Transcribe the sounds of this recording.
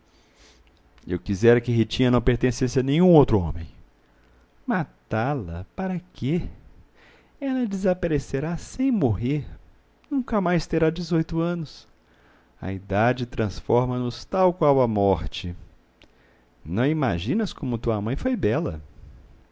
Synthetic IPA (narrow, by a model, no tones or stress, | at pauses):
ḛwkizɛɾɐkɪɦit͡ʃĩɐnɐ̃w̃peɾt̪ẽsẽsɪɐnẽj̃ũowt̪ɾʊõ̰mẽj̃ | mat̪alɐpaɾɐkɪ | ɛlɐd͡ʒɪzapaɾeseɾasẽj̃moɦeɾ | nũkɐmajst̪eɾad͡ʒɪzojt̪ʊɐ̃nʊs | ɐ̰id̪ad͡ʒɪt̪ɾɐ̃sfɔɾmɐnʊst̪awkwawɐmɔɾt͡ʃɪ | nɐ̃w̃ima̰ʒĩnɐskõmʊt̪uɐamɐ̃j̃fojbɛlɐ̰